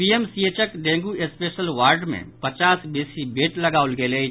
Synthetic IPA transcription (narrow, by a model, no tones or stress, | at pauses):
piemsieːt͡ʃəkɖẽːŋɡuʔespeːʃəlʋaːɾɖmḛ̃pɐt͡ʃaːsbeːsibeːʈlɐɡaːʊlɡeːleː